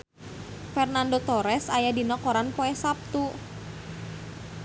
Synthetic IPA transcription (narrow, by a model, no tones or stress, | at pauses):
fɛrnandot̪ɔɾɛsajadinɔkɔɾanpoɛsap̚t̪u